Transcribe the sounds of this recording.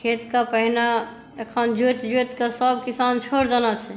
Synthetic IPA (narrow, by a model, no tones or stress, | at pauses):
kʰet̪kapəɦina | ekʰənd͡ʒot̪d͡ʒet̪kasəbkisant͡ʃʰoɾd͡ʒanat͡ʃʰe